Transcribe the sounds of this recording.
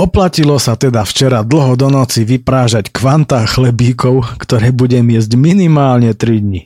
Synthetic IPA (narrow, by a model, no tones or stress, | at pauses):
ɔplacilɔsat̪ɛd̪aft͡ʃɛɾad̪l̩ɦɔd̪ɔnɔt͡siʋipɾaːʒackʋant̪axlɛbiːkɔʊkt̪ɔɾɛːbuɟɛmɪɛzɟminimaːlɲɛt̪ɾid̪ɲi